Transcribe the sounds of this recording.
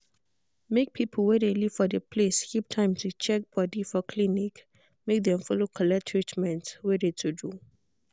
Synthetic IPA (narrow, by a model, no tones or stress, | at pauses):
mek̚pʰipʰəlwɛdeliv̥fɔdəpʰleskʰiptʰãj̃mtʰut͡ʃɛk̚b̥ɔdifɔkʰlinik | mek̚d̪ɛ̃mfɔlokʰɔlɛktʰɹit͡ʃmɛ̃ntwɛdetʰudu